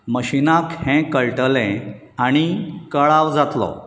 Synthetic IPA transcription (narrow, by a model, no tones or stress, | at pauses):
məɕinãkhɛ̃kəɭʈəlɛ̃ | aɽ̃ikəɭaʋd͡zat̪lɔ̰